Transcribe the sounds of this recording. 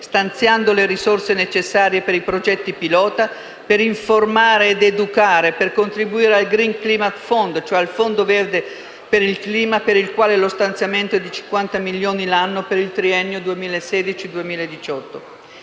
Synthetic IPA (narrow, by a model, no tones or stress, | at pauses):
st̪ant̪sjand̪oleɾisorsenet͡ʃesːaːɾjepeɾipɾod͡ʒɛt̪ːipilɔːt̪a | peɾiɱformaːɾeːd̪ed̪ukaːɾeperkont̪ɾibuiːɾealɡɾiŋkliːmat̪fond̪t͡ʃoɛalfond̪ovɛrd̪e | peɾilkliːmapeɾilkwaːlelost̪ant̪sjament̪oɛd̪it͡ʃiŋkwant̪amiljoːnilanːopeɾilt̪ɾiɛnːjod̪uemiːlaesːɛːd̪it͡ʃid̪uemiːlaed̪it͡ʃɔt̪ːo